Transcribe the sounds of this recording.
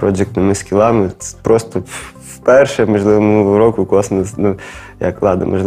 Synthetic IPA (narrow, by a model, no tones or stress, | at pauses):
pɾɔd͡ʒɪk̚t̪ɪmɪskʲilˠɑmɪ̥pɾɔst̪ɔ | fpɛrʃɛmɔʒlˠɪʋomʊɾɔkʊkɔsnɐsnʊ | jɐ̰klˠɑd̪ɐ̰mɐ̰ʒlˠ